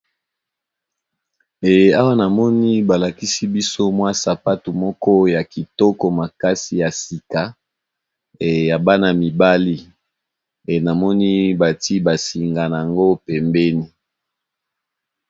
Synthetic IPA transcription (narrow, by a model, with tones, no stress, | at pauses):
e˨a˦wa˦na˨mɔ˦ni˦ba˨la˨ki˦si˦bi˦so˦mwa˦sa˨pa˦tu˨mɔ˦kɔ˦ja˨ki˨tɔ˦kɔ˨ma˨ka˦si˨ja˨si˨ka˨ | ja˨ba˦na˨mi˨ba˦li˦ | e˨na˨mɔ˦ni˦ba˨ti˦ba˨si˨ŋɡa˨n˨a˨ŋɡo˦pɛ˨mbɛ˦ni˦